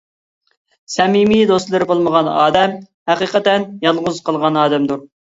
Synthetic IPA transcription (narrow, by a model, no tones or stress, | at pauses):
sɛmimid̪oslˠɨɾɪbolˠməʁɑnɑ̰ːd̪ɛm | hæqiːqət̪ɛnjɑlˠʁʊz̥qəlˠʁɑnɑːd̪ɛmd̪uɾ